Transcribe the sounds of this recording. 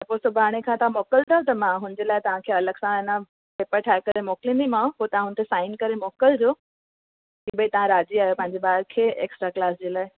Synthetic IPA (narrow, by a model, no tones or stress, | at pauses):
t̪ɐposʊbʱaːɽ̃ekʰãt̪ɐʋ̤ãmoːkəlt̪ʰɐjõt̪̬ɐmãɦʊnd͡ʑeːlaːɪt̪ɐʋ̤ãkʰeːɐləɡsãɪnə | peːpəɾʈʰaːɪkɐɾemoːklĩːnd̪ʱĩmãpot̪ɐʋ̤ãɦʊnt̪ʰesaːɪnkɐɾemoːkəld͡ʑoː | ɦiːɓəit̪ɐʋ̤ãɾaːd͡ʑiaːɦjopɐ̃ɦɪ̃ɲd͡ʑeɓaːɾkʰeːʔḛːksʈɾaklaːsd͡ʑeːlaːɪ